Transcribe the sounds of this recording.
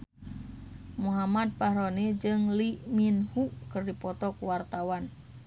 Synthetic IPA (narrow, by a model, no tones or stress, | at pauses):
muɦamad̪̚pahɾonid͡ʒɨŋliminhukɨrdipɔt̪ɔkuwart̪awan